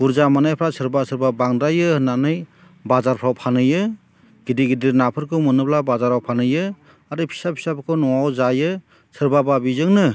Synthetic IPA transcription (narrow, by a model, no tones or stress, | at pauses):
ɡuɾzamanajpʰɾasʰɯɾbasʰɯɾbabaŋdajɯnanɯj | bazaɾpʰɾawpʰanɯjɯ | ɡidiɡidiɾnapʰɯɾkʰɯmɯnɯplabazaɾawpʰanɯjɯ | aɾɯpʰi̥sapʰi̥sapʰkʰɯnɔwawzajɯ | sʰɯɾbababizɯŋnɯ